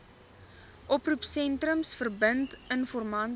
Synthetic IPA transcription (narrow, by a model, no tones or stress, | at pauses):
ʔɔprupsɛntrəmsfərbəntənfɔrmɐn